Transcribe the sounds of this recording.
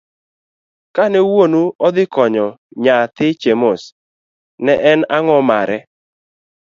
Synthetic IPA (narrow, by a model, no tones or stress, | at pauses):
kanɛwonuɔd̪ɪkɔɲɔɲat̪ɪt͡ʃemos | nɛʔɛnaŋɔmaɾɛ